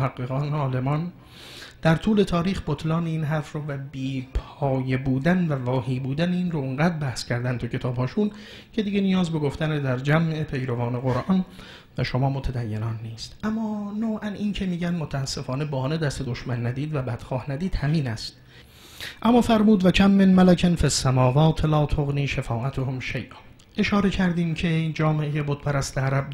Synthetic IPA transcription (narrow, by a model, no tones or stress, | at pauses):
hæɡːeɣɒːneɒːle̞mɒːn | d̪̥æɾt̪ʰuːle̞t̪ʰɒːɾiːxbot̪ʰlɒːneiːnɦæɾfɾovæbiːpʰ | ɒːjebuːd̪ænvævɒːhiːbuːd̪æneinrooŋɢæːd̪ɾbæhskcʰæɾd̪ænt̪ʰucʰe̞t̪ʰɒːbhɒːʃun | cʰe̞d̪iɡenijɒːzbe̞ɡo̞ft̪æned̪æɾd͡ʒæmʔe̞pʰe̞jɾovɒːne̞ɣoɾʔɒn | væʃo̞mɒːmot̪ʰæd̪æjːe̞nɒːnːiːst̪ʔæmːɒːnowʔæniːncʰe̞miːɟænd̪mot̪ʰæːsːe̞fɒːne̞bɒːned̪æst̪ed̪oʃmænːæd̪iːd̪væbæd̪̥xɒːhnæd̪iːd̪̥hæmiːnæst̪̚ | ʔæmːɒːfæɾmuːd̪væcʰæmːenmælækʰenfesːæmɒːvɒːt̪ʰlɒːt̪ʰoɣniːʃefɒːʔæt̪ʰohomʃejʔɒːn | ʔe̞ʃɒːɾe̞cʰæɾd̪iːmcʰe̞d͡ʒɒːmeʔejebod̪̥̚pʰæɾæst̪eæɾæb̚d